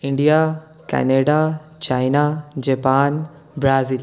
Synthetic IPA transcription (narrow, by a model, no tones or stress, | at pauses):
iɳɖija | kɛ̰neɖat͡ʃajnad͡ʒɐpaːn | bɾaːzil